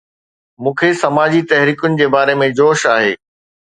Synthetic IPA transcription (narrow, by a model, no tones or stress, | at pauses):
mũːkʰesɐmaːd͡ʑit̪ɛɦɾiːkʊnɪ̆d͡ʑeːbaːɾemẽd͡ʑoːʃaːɦeː